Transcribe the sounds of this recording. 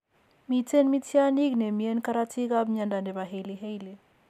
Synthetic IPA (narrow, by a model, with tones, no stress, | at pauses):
mi˨te˦nmi˦tja˦ni˦ɡne˨mi˨e˦nka˦ɾa˦tʰi˦ka˦bɲa˨nda˨nde˨βa˨ɦe˨li˨ɦe˦jle˨